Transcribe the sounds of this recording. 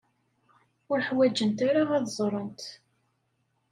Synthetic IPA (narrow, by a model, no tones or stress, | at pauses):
ʊɾħwæd͡ʒənt̪aɾaʁæðzˤɾˤənt̪